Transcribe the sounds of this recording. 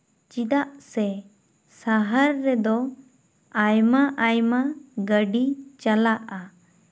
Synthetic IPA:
t͡ʃid̪aʔsɛ | saɦəɾːɛd̪ɔ | ajmaʔajmaɡəɖit͡ʃalaʔa

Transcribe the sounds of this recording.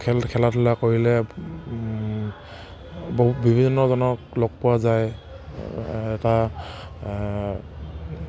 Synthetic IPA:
kʰɛlkʰɛlatʰʊlakoɹilɛ | boɦut̚bibʱizɔnːɔzɔnɔklɔɡ̚pʊwazaj | ɛta

